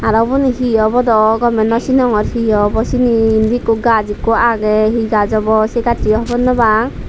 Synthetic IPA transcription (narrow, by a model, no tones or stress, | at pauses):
aɾɔbuniɦiɔbɔd̪ɔɡɔmɛnɔsinɔŋɔɾhiɔbɔsiniːnd̪ikuɡad͡ʒikuaɡɛɦiɡad͡ʒɔbɔsɛɡaʈiɔɦbɔnːɔbaŋ